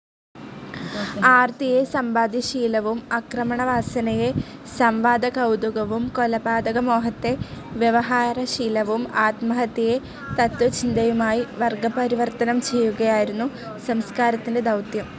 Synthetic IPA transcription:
aːrt̪ijesɐmbaːd̪jɐɕiːlɐʋumɐkrɐmɐɳɐʋaːsɐnɐjesɐmʋaːd̪ɐɣɐwd̪uɣɐʋumkolɐbaːd̪ɐɣɐmo̞ːɦɐt̪ːe̞ʋjɐʋɐɦaːɾɐɕiːlɐʋumaːt̪mɐɦɐt̪ːije | t̪ɐt̪wɐt͡ɕind̪ɐjumaːjiʋɐrɡɐpɐɾiʋɐrt̪ɐnɐmt͡ɕe̞jːuɣɐjaːjiɾunːu | sɐmskaːɾɐt̪ːinde̞d̪ɐwt̪jɐm

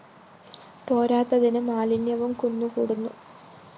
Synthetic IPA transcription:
t̪o̞ːɾaːt̪ːɐðinɨmaːlinjɐʋumkunːukuːɽunːu

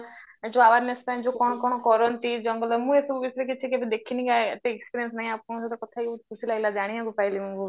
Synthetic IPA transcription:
d͡ʒoaʋaɾnest̪ãd͡ʒokɔɽ̃ɔkɔɽ̃ɔkɔɾɔnt̪id͡ʒɔŋɡɔlɔmũesɔbubisɔɾek̬it͡ʃʰikebed̪ekʰinikaʈekspiɾjensnaɦĩapkɔ̃sɔt̪ɔkɔt̪ʰaiukʰusilaɡilad͡ʒaɽ̃ĩaɡupailimũu

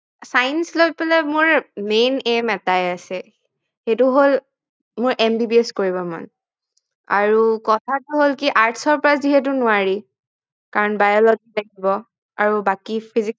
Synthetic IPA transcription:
sajnslobpalɛmʊɹmenemɛtajasɛ | xetʊɦol | mʊɹʔɛmdibiɛskoɹibɔma̰n | a̰ɹukɔtʰatʊɦolkiʔaɹtʰsɔɹpɔɹaziɦɛt̬ʊnʊaɹi | kaɹɔnbajɔlɔɡitakibɔ | aɹubakipʰizi

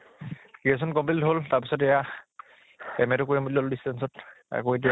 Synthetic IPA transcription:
kɹies̬ɔnkɔmpliltɦoltaɹpisɔtɛja | ɛmɛtʊkojɛmutɔldistɛnsɔt | a̰koed̬ija

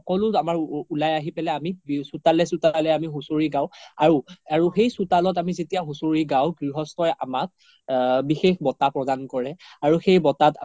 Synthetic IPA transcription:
xɔkɔlʊamaɹulajaɦipɛlɛamisutalɛsutalɛamiɦusoɹiɡaʊaɹuaɹuxejsʊtalɔtamizetijaɦusoɹiɡawɡɹiɦɔstɔja̰mak̚ | bixexbɔtapɹɔdankɔɹɛaɹuxejbɔtat

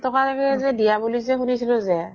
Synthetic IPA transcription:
tɔkaɾakɛzɛdijabuliszɛxunisilozɛ

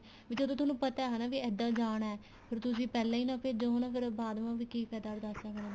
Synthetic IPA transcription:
ʋiːd͡ʒoːd̪õːt̪̬ʊnũːpət̪aːɦãːnaːʋiːɛːd̪ãːd͡ʒaːɳaɛː | pʰɪɾt̪ʊs̬ĩːpɛːlãːiːnãːpʰɪd͡ʒonãːpʰɪɾbaːd̪ʋãːʋiːkiːpʰɛːd̪aːɾd̪asəknãː

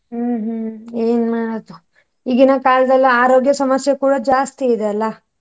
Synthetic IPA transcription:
ɦːɦeːnmaːɽɐt̪u | iɡinɐkaːlɐd̪ɐlːiaːɾo̞ːɡjɐsɐmɐsjɐkuːɽɐd͡ʒaːst̪iid̪ɛɐlːɐ

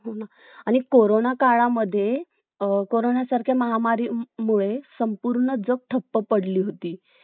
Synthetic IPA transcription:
ɦona | aɽ̃ikoɾonakaɭaməd̪ʱːje | koɾonjasaɾkʰjaməɦamaɾiːmuɭesəmpuɾɳəd͡zək̚ʈ̪ʰəpːəpəɽliːɦot̪iː

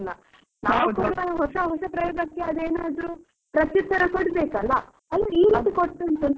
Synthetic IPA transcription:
nːɐ | naːʋukoɽɐɦɔʂɐɦɔʂɐpɾɐjoːɡɐkːeɐd̪eːnaːd̪ɾu | pɾɐt̪jɐt̪ʰːɐɾɐkoɽbeːkɐlːɐ | ɐlʋɐiːɾit̪ikoʈːɐnt̪un

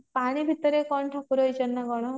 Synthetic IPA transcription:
paɽ̃ibʱit̪ɔɾekɔɳʈʰɔkuɾɔjt͡ʃɔnːaɡɔɽ̃ɔ

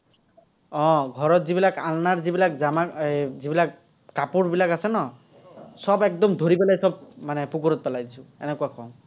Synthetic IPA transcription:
ɔ̃ɡʱɔɾɔt̪zibilakalnaɹzibilakzamazibilak | kapuɹbilakasɛnɔ | sɔbɛk̚d̪ɔmd̪ʱoɾipɛlajsɔb̚manɛpukuɾɔt̪̚pɛlajd̪isʰuɛ̰nɛkuakɔw̃

